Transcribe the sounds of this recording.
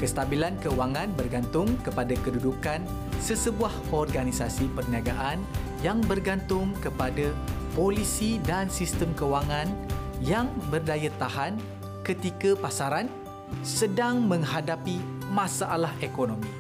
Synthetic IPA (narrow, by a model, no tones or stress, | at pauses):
kəst̪abilankəwaŋãnbərɡant̪ʊŋkəpadakədudukan | səsəbuahɔrɡanisasipərniaɡaʔan | jaŋbərɡant̪ʊŋkəpadapolisidansist̪əmkəwaŋãnjaŋbərdajat̪aɦan | kət̪ikapasaɾan | sədaŋmə̃ŋɦadapi | mãsaʔalahekonõmĩ